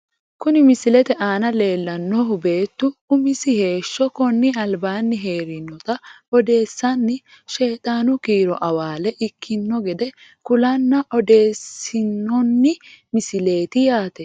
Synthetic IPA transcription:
kʊnɪmɪsɪlɛt̪ɛʔaːnɐle̞ːlːɐnːɔɦʊbe̞ːt̪ːʊʊmɪsɪhe̞ːʃːɔkɔnːɪɐlbaːnːɪɦe̞ːɾɪnːɔt̪ɐ | ɔd̪e̞ːsːɐnːɪ | ʃe̞ːt̪ʼaːnʊkiːɾɔʔɐwaːlɛʔɪkʰːɪnːɔɡɛd̪ɛ | kʊlɐnːɐʔɔd̪e̞ːsɪnːɔnːɪmɪsɪle̞ːt̪ɪjaːt̪ɛ

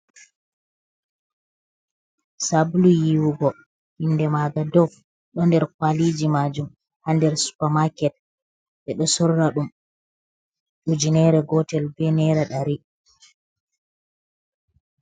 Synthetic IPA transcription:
sablujiwuɡɔ | hinːdɛmaɡadɔf | ɗɔndɛɾkwalid͡ʒimad͡ʒum | handɛɾsu̥pamakɛt̚ | ɓɛɗɔsɔɾːaɗum | ɗud͡ʒinɛɾɛɡɔtɛlbɛnɛɾaɗaɾi

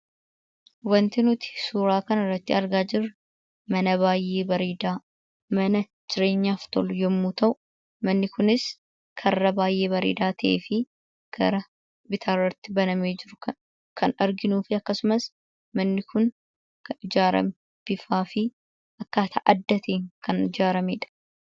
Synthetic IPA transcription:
wɐnt̪ɪnʊt̪ɪ̥suːɾaːkɐnɐrːɐt̪ːɪɐɾɡaːd͡ʒɪɾɐ | mɐnɐβaːjːe̞ːbɐɾiːd̪aː | mɐnɐ | d͡ʒɪɾe̞ːɲːaːft̪ɔlʊjɛmːuːt̪ɐʔʊ | mɐnːɪkʊnɪs | kʰɐrːɐbaːjːe̞ːbɐɾḭːd̪aːt̪ʰɐʔḛːfɪ | ɡ̥ɐɾɐ | bɪt̪ʰaːrːɐt̪ːɪbɐnɐmeːd͡ʒɪɾʊkɐ | kʰɐnɐɾɡɪnuːfɪɐkːɐsʊmɐs | mɐnːɪkʊn | kɪd͡ʒaːɾɐ̰mɛ | b̥ɪfaːfɪ | ʔɐkːaːt̪ʰɐ̰ʔɐd̪ːɐt̪ʰeːŋkɐnɪd͡ʒaːɾɐmeːᶑɐ̥

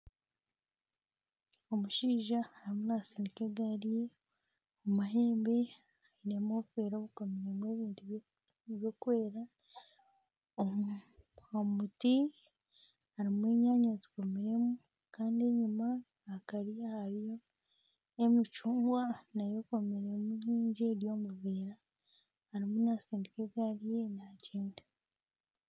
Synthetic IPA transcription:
o̞muʃiːʒaːɾimunasinikeɡaɾije | omaɦe̞ːmbe̞ | aine̞mofeːɾoβuko̞meɾemwe̞ːβiːntu | βjo̞kwe̞ːɾa | o | omuti | aɾimwe̞ːɲaːɲazi̥ko̞meɾe̞mu | kaːndie̞ɲumaː | kaɾiahaɾjo̞ | emicuːŋɡwanajo̞ko̞meɾe̞muɾiːɲɟieɾjo̞ːmuβeɾaː | ɾimunasiːndikeɡalijenaciːnda

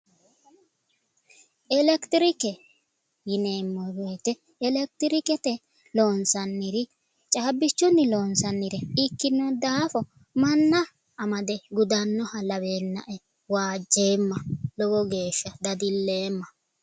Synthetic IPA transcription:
ʔɛlɛkt̪ɪɾɪkɛ | jɪneːmːɔwejt̪ɛ | ɛlɛk̚t̪ɪɾɪkɛt̪ɛ | loːnsɐnːɪɾɪ | t͡ʃʼaːbːɪt͡ʃːʊnːɪloːnsɐnːɪɾɛɪkːɪnːɔd̪aːfɔ | mɐnːɐː | mɐd̪ɛɡʊd̪ɐnːɔhɐlɐbe̞ːnːɐ̰ʔɛ | waːd͡ʒːe̞ːmːɐlɔbɔɡe̞ːʃːɐd̪ɐd̪ɪlːe̞ːmːɐ

